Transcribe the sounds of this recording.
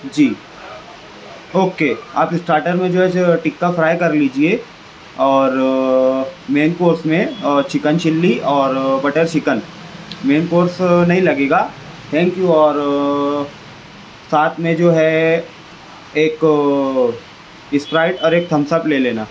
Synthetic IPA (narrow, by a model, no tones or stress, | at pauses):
d͡ʒiː | oːkea̰ːpɪsʈɾaːɾʈəɾmẽd͡ʒoːɦɛd͡ʒʈɪkːafɾaːjkɐɾliːd͡ʒieː | ɔːɾ | meːnkoːɾsmẽt͡ʃɪkənʃɪlːiɔːɾbɐʈeɾʃɪkən | meːnkoːɾsnɐɦĩlɐɡeːɡaː | t̪ʰɛ̃ːŋkjuɔːɾ | saːt̪ʰmẽd͡ʒoːɦɛ | eːk | ɪspɾaːɪʈɔːɾeːk̚t̪ʰɐmsəpleːleːnaː